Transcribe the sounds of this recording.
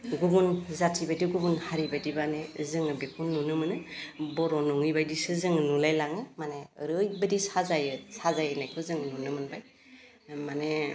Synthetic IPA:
ɡubunzatʰibajdiɡubunhaɾibajdibanezɯŋɯbekʰunːunɯmɯnɯbɔɾɔnɔŋɯjbajdisɯzɯŋɯnulajlaŋɯmaneɾɯjbadisazajɯsazajɯnajkʰɯzɯŋnunɯmɯnbaj | mane

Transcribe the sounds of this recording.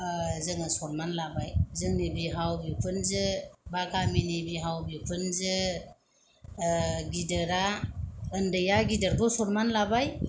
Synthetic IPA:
əzəŋəsoɾmanlabajzəŋnebiɦawbikunzəbakaminibiɦawbikunzə | ɡidəɾaəndəjaɡidəɾdosoɾmanlabaj

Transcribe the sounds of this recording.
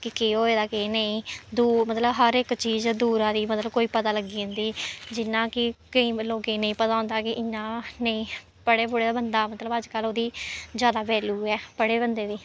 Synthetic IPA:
kɪkeɦoːeːd̪aːkenəĩːd̪uːmət̪ləbɦəɾɪkt͡ʃiːzd̪uːɾãːd̪iːmət̪ləb̚koːiːpət̪aːləɡiːʊ̃nd̪iːd͡ʒɪnːãːkɪkəĩːloːɡeːnə̃ĩːpət̪aːʊ̃nd̪aːkɪʔɪɲːãːnəĩː | pəɽeːbʊɽeːd̪aːbənd̪aːmət̪ləbəd͡ʒkəloːd̪iːzjaːd̪aːbɛːluːɛːpəɽeːbənd̪eːd̪iː

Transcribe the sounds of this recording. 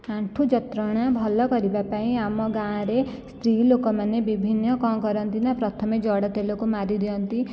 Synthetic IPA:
ãɳʈʰud͡ʒɔt̪ɾɔɽ̃abʱɔlɔkɔɾibapaĩamɔɡãɾest̪ɾiːlokɔmanːebibʱinːɔkɔ̃kɔɾɔnt̪inapɾɔt̪ʰɔmed͡ʒɔɽɔt̪elokomaɾid̪ijɔnt̪i

